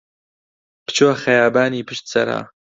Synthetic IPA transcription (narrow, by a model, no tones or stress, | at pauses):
pɨ̥t͡ʃoːxɐjaːbaːniːpɨʃt̪̚sɐ̰ɾa̰ː